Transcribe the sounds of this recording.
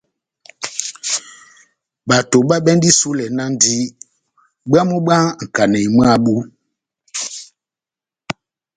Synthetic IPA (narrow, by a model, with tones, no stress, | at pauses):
ɓa˨to˨ɓa˦ɓɛ˦ndi˦su˦lɛ˨na˦n˦di˦ | ɓa˦mu˦ɓa˦˨ŋ̩˨ka˨nɛ˨m˦a˦˨ɓu˦